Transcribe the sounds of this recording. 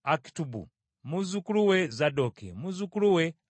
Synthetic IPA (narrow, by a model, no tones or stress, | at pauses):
aki̥tubṵ | muzukuluwɛzadɔkɛ̰muzukuluwɛ